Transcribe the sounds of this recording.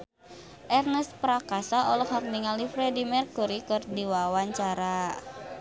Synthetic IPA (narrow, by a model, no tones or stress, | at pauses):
ʔɛrnəspɾakasaʔɔlɔhak̚niŋalifɾɛdimɛrkuɾikɔrdiwawaɲt͡ʃaɾa